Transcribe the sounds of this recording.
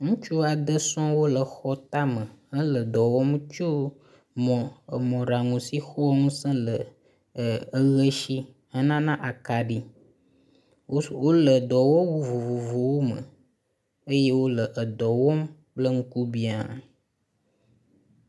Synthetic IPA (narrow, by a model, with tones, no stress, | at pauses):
ŋũ˦t͡ʃu˦a˨d̪ə˦sɔ̃˦wo˦lə˨xɔ˦t̪a˦mə˨ə˦lə˨d̪ɔ˨wɔ˦m˦t͡ʃu˦ | mɔ̃˨ə˨mɔ̃˨ɖa˨ŋũ˨si˦xɔ˦wɔ˦ŋũ˦sə̃˦lə˨ | ə˦ɣə˦ʃi˦ | hə˦nã˦nã˦ʔa˨ka˨ɖi˦ | o˦wo˦lə˨d̪ɔ˨wɔ˦wu˨vu˨vu˨vo˨wo˦mə̰˨ | ə˦je˦wo˦lə˨ʔə˨d̪ɔ˨wɔ˦m | blə˦ŋũ˦ku˦bi˦a˨